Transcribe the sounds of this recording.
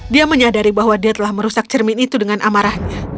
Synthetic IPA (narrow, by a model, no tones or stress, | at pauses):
diaməɲadaɾibaɦwadiat̪əlahməɾusak̚t͡ʃərmɪnit̪udəŋanʔamaɾahɲa